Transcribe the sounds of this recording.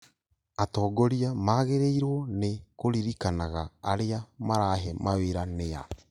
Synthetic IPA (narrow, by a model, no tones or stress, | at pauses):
atɔːɡɔɾiamaːɣeɾeiɾwɔnekoɾiɾikanaɣaːɾeamaɾaɦɛmaweɾanea̰